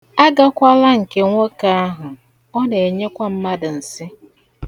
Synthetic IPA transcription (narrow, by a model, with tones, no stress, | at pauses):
a˦ɡa˦kʷa˦la˦ŋ̩˨ke˦ŋʷo˦ka˦a˦ɦʊ˨ | ɔ˦ne˨e˨ɲe˦kʷa˦m̩˦ma˦dʊ˨n̩˨sɪ˦